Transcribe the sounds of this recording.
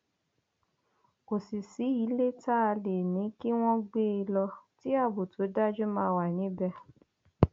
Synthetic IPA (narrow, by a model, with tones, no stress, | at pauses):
o˨si˨si˨˦i˨˦le˦ta˦˧le˨nĩ˨˦ki˦w̃ɔ̃˦ɡ͡be˦i˧lɔ˧ti˦a˦˨bo˨tʰo˨˦da˦d͡ʒu˦mãː˧˦˧wa˨nĩ˨˦bɛ˧